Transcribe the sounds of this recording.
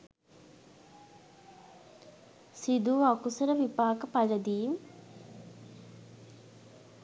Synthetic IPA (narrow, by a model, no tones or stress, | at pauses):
sid̪uakusəɾəʋipaːkəpaləd̪iːm